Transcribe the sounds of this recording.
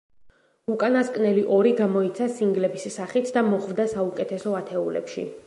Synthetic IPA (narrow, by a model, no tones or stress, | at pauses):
ukʼanaskʼnɛliʔɔɾiɡamɔit̪sʰasiŋɡlɛbisːaχit̪ʰd̪amɔχvd̪asaukʼɛt̪ʰɛsɔat̪ʰɛulɛ̰pʃḭ